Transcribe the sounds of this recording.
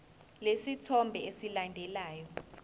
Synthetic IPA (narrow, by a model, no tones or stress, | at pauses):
lesitʰɔmbʱɛesilandʱɛlaːjɔ